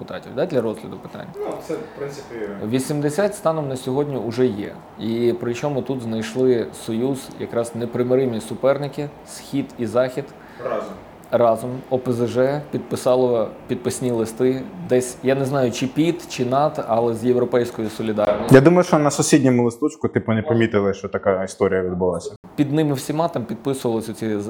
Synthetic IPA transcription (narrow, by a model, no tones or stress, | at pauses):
pʊt̪ɑ̰tʲiwd̪ɑd̪ʲlʲɐɾɔzɦlʲɐd̪ʊpɪ̥t̪ɑ̰nʲːɐsɛpɾɪnsɪ̥pʲʋʲisʲimd̪esʲatʲst̪ɑnɔwnɐsʲɔɦɔdʲnʲiʊʒɛjɛ̰ | ipɾɪt͡ʃɔmʊt̪ut̪znɐjʃlˠɪsɔjuz̥jɐ̰kɾɑznepɾɪmɪɾɪmʲnʲisʊpɛrnɪkʲɪ | sxʲid̪izɑxʲid̪ | rɑzɔmɔpezeʒɛpʲid̪̚pɪsɑlˠɔpʲid̪̚pɪsʲnʲilˠɪst̪ɪd̪ɛsʲjaneznɑjʊt͡ʃɪpʲit̪t͡ʃɪnɑt̪ɐlˠɛzʲjewɾɔpɛjsʲkɔjʊsɔlʲɪd̪ɑrnʲsʲjad̪umɐjʊʃt͡ʃɔnɐsʊsʲidʲnʲɔmʊlˠɪst̪ɔt͡ʃkʊt̪ɪpɔnɛpɐmʲit̪ɪlˠɪʃt͡ʃɔt̪ɐkaist̪ɔɾʲijɐʋʲid̪bʊlˠasʲɐ | pʲid̪nɪmɪwsʲimɑt̪ɐmpʲid̪̚pɪsʊʋɐlˠɔsʲɐt͡sʲi